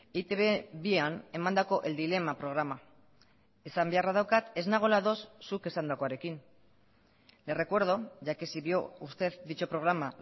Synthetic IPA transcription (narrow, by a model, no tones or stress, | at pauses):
it̪eβeβiane̞mand̪ako̞ʔe̞ld̪ile̞mapɾo̞ɣ̞ɾama | e̞sambearaðawkat̪e̞znaɣ̞o̞laðo̞sːuke̞sand̪ako̞aɾe̞kin | le̞re̞kwe̞ɾð̞o̞ʝakesiβio̞ust̪e̞ðd̪it͡ʃopɾo̞ɣ̞ɾama